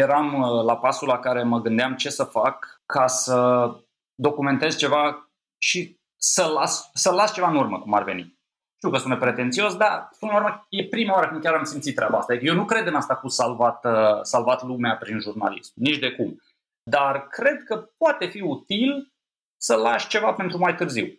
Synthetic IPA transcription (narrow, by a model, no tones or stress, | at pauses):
je̞ɾamlapasulakaɾe̞məɡɨnd̪eamt͡ʃe̞səfakʰːasə | d̪o̞kume̞nt̪e̞zt͡ʃe̞va | ʃi | səlassəlast͡ʃe̞vaɨnurməkuma̰rve̞nḭ | ʃt̪iwkəspunepɾe̞t̪e̞nt̪sio̞sd̪aspunlauɾməje̞pɾimaoaɾəkɨnd̪̚kʲaɾamsimt̪sit̪ːɾʲabaast̪ad̪ikəjewnukɾe̞d̪ɨnast̪aːfussalvat̪əsalvat̪lumeapɾinʒurnalismnit͡ʃd̪e̞kum | d̪arkɾe̞d̪̚kəpoat̪e̞fiut̪il | səlaʃt͡ʃe̞vape̞nt̪ɾumajt̪ɨrziw